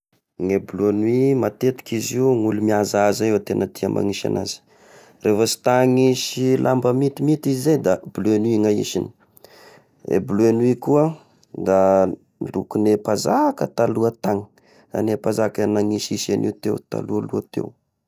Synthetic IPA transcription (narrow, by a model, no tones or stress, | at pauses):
ŋebluanwimat̪et̪i̥kʲiziuŋulumiazazaewt̪enət̪iəmʔa̰ŋiʃa̰na̰zi̥ | refəsi̥t̪aŋiʃilʔambəmit̪imit̪izizejd̪abluenuiŋaḭʃini̥ | ḛbuluenwikuə | d̪a | lukunepazakət̪aluət̪aŋə̥ | a̰nepazakanaŋiʃiʃenʔḭt̪ewt̪a̰lualuat̪ḛw